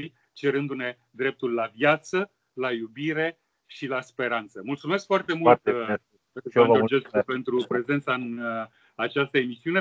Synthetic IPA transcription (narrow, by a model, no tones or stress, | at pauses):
t͡ʃe̞ɾɨnd̪une̞ | d̪ɾe̞p̚t̪ulːavjat̪sə | lajubiɾe̞ | ʃilaspe̞ɾant̪səmult̪sume̞skfoart̪e̞mut̪ | ood͡ʒeskupe̞nt̪ɾupɾe̞zent̪saɨn | at͡ʃast̪əemisiune